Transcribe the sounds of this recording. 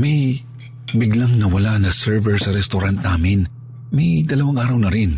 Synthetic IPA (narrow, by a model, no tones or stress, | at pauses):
mɐj | bɪɡlaŋnɐwɐlanɐsɛɹvɛɹsɐɾɛst̪oɾant̪̚naːmɪn | mɐjd̪ɐlɐwaŋʔaːɾɐwnɐɾɪn